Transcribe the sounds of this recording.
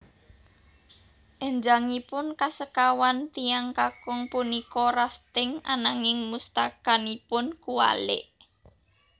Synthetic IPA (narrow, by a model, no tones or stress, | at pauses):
ʔɛɲd͡ʒaŋipʊnkasəkawant̪ijaŋkakʊŋpunikɔraft̪ɪŋa̰naŋɪŋmust̪akanipʊnkuwa̰lɪ̰ʔ